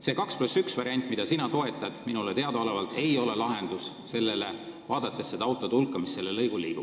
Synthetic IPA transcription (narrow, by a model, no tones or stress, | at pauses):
se̞ːkɑksplusːyksvɑɾiɑnʲt̪ːˑmid̪̥ɑsinɑt̪o̞e̞t̪ːˑɑd̪̥minulet̪e̞ɑd̪ɑole̞vɑlt̪ˑe̞jo̞le̞lɑɦe̞nd̪̥us | se̞lːe̞le̞ | vɑːd̪̥ɑt̪ːˑe̞sːed̪ɑɑwt̪ˑo̞t̪ulkːˑɑmisːe̞lːelːɤjɡulːiːb̥ub̥